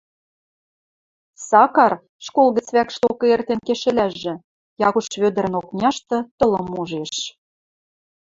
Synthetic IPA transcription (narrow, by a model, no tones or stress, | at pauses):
sɑkɑr | ʃkolɣə̆t͡sβækʃt̪okɤ̆ert̪enkeʃɘ̆læʒːɘ̆ | jɑɣuʃβød̪ə̆ɾə̆noknʲɑʃt̪ɤ̆t̪ɤ̆lɤ̆muʒeʃ